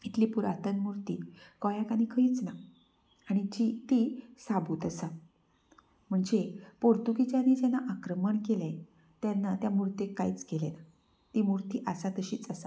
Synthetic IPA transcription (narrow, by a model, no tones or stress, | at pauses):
it̪liːpuɾa̰t̪ənmuɾt̪iːkɔjakanikʰəiːt͡snaː | ɽ̃it͡ɕit̪isabʱuːt̪əsa | m̤əɳd͡zepoɾt̪ukit͡ɕaniːd͡ʑɛnːaʔakɾəməɳkele | t̪janːat̪jamuɾt̪ekːajit͡sɡelena | t̪imuɾt̪iːʔəsat̪əɕiːt͡səsa